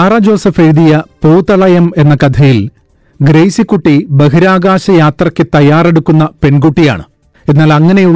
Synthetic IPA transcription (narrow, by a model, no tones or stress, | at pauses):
aːraːd͡ʑo̞ːsɐfeɻiðijɐpuːt̪ɐɭɐjɐme̞nːɐkɐd̪ʰɐjil | ɡɾejsikːuʈːibɐɦiɾaːɡaːɕɐjaːt̪rɐkʲːɨt̪ɐjaːre̞ɽukːunːɐpe̞nɡuʈːija̰ːɳɨ̰ | enːaːlɐŋːɐnejuɭ